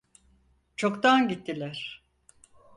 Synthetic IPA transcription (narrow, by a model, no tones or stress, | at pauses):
t͡ʃʰokt̪anɟit̪ːilʲæɾ̥